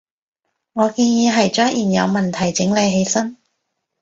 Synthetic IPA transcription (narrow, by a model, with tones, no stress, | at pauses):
ŋɔː˨˧kiː˧njiː˨˧ɦɐ˨jt͡ʃœː˥ŋʔiː˨˩njɐ̰˨˧wmɐ˨nt̪ʰɐ˨˩jt͡sɪ˨˥ŋle˨˧jɦe˨˧jsɐ˥n